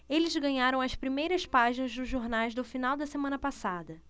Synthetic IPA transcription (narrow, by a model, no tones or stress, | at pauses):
elɪzɡɐ̃ɲaɾɐ̃w̃ɐspɾimejɾɐspaʒinɐzd̪ʊzʒoɾnajzd̪ʊfinawd̪ɐsemɐ̃nɐpasad̪ɐ